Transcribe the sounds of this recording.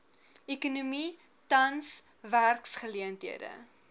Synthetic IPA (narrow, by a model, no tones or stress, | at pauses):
ɛkunumi | tɐns | værksχəliəntɦiədə̰